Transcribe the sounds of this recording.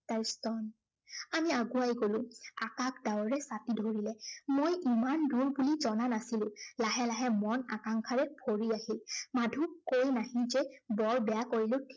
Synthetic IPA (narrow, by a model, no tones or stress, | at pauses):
taɹstɔn | amiaɡuajɡolʊ̃a̰kakdawɔɹɛsatidʱoɹilɛmojimanduɹbulizɔnanasilʊ̃laɦɛlaɦɛmɔna̰kaŋkʰaɹɛpʰoɹiaɦilmadʱukojnaɦĩzɛbɔɹbɛjakoɹilʊ̃tʰ